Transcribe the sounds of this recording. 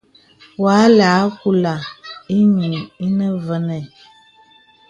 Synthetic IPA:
wa˨˦laː˨˦ku˦la˨i˦ɲi˨i˦nə˦və˦nɛ˨

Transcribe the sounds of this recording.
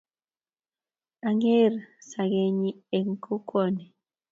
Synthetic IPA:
a˨ŋe˦˨ɾsa˨ɡe˨ɲi˦e˨ŋ̩˨kʰo˦kʰɔ˦˨ni˨

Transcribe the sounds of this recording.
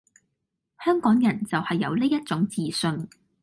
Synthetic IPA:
hœː˥ŋkɔː˨˥ŋjɐ˨˩nt͡sɐ˨whɐ˨jːɐ̰˨˧wle˥jɐ˥t̚t͡sʊ˨˥ŋt͡siː˨sɵ˧n

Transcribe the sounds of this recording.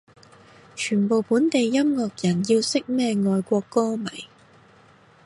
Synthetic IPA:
t͡ʃʰyː˨˩npo˨wpuː˨˥nt̪e˨jːɐ˥mŋɔː˨k̚jɐ˨˩nji˧wsɪ˥k̚mɛː˥˧ŋɔː˨˧jkʷɔː˧kːɔː˥mɐ˨˩j

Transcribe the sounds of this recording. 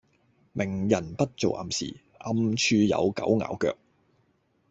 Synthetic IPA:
mʔɪ˨˩ŋjɐ˨˩npɐ˥t̚t͡so˨wʔɐ̰˧msḭː˨ | ʔɐ˧mt͡ʃʰyː˧jɐ̰˨˧wkɐ˨˥wŋa̰ː˨˥wkœː˧k̚

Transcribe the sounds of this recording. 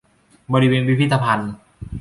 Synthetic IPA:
bɔː˧ɾi˦˧weː˧nwi˦pʰi˥t̪ʰːa˧pʰa˧n

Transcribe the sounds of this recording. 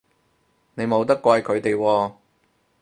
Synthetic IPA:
ne˨˧jmo˨˧wt̪ɐ˥kːʷa˧jkʰɵ˨˧ɥt̪e˨jwɔː˧

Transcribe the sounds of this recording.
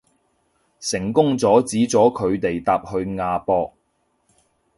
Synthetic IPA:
sɪ˨˩ŋkʊ˥ŋt͡sɔː˨˥t͡siː˨˥t͡sɔː˨˥kʰɵ˨˧ɥt̪e˨jt̪aː˧p̚hɵ˧ɥŋaː˨˧pɔː˧k̚

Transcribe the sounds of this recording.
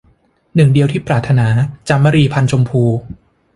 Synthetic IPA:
nɯ˨˩ŋdi˧əwt̪ʰiː˥˩pɾaː˨˩t̪ʰːa˧naː˩˦t͡ɕa˧mːa˧ɾiː˧pʰa˧nt͡ɕʰo˧mpʰuː˧

